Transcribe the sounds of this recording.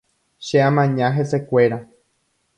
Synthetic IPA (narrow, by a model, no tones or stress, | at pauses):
ʃeãmãɲãɦese̞kʷe̞ɾa